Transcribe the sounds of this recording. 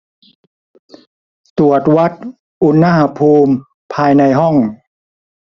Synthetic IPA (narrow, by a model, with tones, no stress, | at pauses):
t̪u˨˩ət̪̚wa˦˥t̪̚ | ʔu˧˥nːa˥˧˩ha˧pʰuː˧m | pʰaː˧jna˧jɦɔ˥˩ŋ